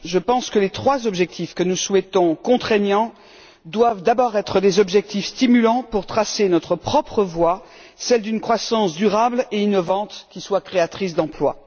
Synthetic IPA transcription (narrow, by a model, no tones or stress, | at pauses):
ʒəpɑ̃skəlet̪χwazɔbʒɛk̚t̪ʰifkənuswɛt̪ɔ̃kɔ̃t̪χeɲɑ̃ | d̪wavd̪abɔʁɛt̪χəd̪ezɔbʒɛk̚t̪ifst̪imylɑ̃puʁt̪χasenɔt̪χəpχɔpχəvwa | sɛld̪ynkχwasɑ̃sd̪yʁableinɔvɑ̃t̪kʲiswakχeat̪χis̬d̪ɑ̃plwa̰